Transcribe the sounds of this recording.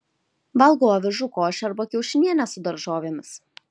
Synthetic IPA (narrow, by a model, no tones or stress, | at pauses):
ʋɐlˠɡoːʋʲɪʒʊkoːʃʲɐɾbɐkʲɛʊʃʲɪnʲiɛnʲɛsʊd̪ɐɾʒoːʋʲeːmʲɪs